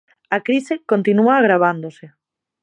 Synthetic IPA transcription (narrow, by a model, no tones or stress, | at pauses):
akɾisɪkont̪inuaːɣ̞ɾaβ̞and̪osɪ